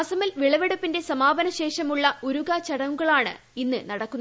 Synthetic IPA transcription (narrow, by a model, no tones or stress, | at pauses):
ɐsɐmilʋiɭɐʋeɽɐpːinde̞sɐmaːbɐnɐɕe̞ːʂɐmuɭːɐoɾuɣat͡ɕɐɽɐŋuɣɐɭaːɳɨ̰ | inːɨnɐɽɐkːun